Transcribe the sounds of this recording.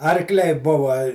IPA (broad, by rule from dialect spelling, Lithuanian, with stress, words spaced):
ɐrkˈlʲɛɪ ˈbʊʋɐ